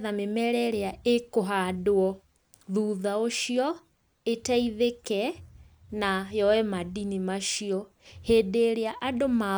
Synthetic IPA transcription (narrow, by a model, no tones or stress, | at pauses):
ðamemɛɾɛɾeaekoɦaːdoɔ | ðuːðaoʃiɔ | etaiðekɛ | najɔwɛmadinimaʃiɔ | heːdeɾeaʔadoma